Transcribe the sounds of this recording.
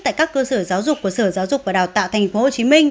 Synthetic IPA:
t̪a̰ː˧˨jkaː˦˥kːəː˧səː˧˩zaː˨˦wzʊ˨˩k͡p̚ku˧˩əsəː˧˩zaː˨˦wzʊ˨˩k̚vaː˨˩ɗaː˨˩t̪a̰ː˧˨wt̪ʰɛ˨˩ŋ̟fo˨˦ho˨˩t͡ɕi˨˦mï˧ŋ̟

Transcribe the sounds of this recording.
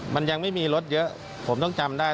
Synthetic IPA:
ma˧nja˧k̚ma˥˩jmiː˧lo˦˥t̪̚jɤ˦˥ʔ | pʰo˩˦mt̪ɔ˥˩ŋt͡ɕa˧mdaː˥˩j

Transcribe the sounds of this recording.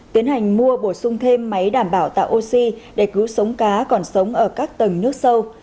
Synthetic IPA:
t̪i˨˦ənha˨˩jŋ̟mu˧əɓo˧˩sʊ˧ŋ͡mt̪ʰe˧mːa˨˦jɗaː˧˩mɓaː˧˩wt̪a̰ː˧˨jʔo˧si˧ɗe˧˩kɨ˨˦wsə˨˦wŋ͡mkaː˨˦kɔ˨˩nsə˨˦wŋ͡mʔəː˧˩kaː˦˥k̚t̪ə˨˩ŋnɨ˦˥ək̚sə˧w

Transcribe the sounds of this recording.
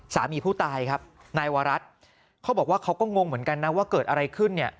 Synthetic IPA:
sa̰ː˩˦miː˧pʰuː˥˩t̪aː˧jkʰa˦˥p̚ | naː˧jwaː˧ɾa˦˥t̪̚ | kʰa˦˥bɔː˨˩k̚waː˥˩kʰa˦˥wkɔː˥˩ŋo˧ŋmɯ˩˦ənka˧nːa˦˥waː˥˩kɤː˨˩t̪̚ʔa˧ɾa˧jkʰɯ˥˩nːi˥˩ə

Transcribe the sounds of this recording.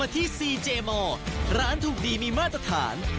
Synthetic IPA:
a˧t̪ʰiː˥˩siː˧t͡ɕeː˧mɔː˧ɾaː˦˥nt̪ʰuː˨˩k̚diː˧miː˧maː˥˩t̪ɾa˧t̪ʰa̰ː˩˦n

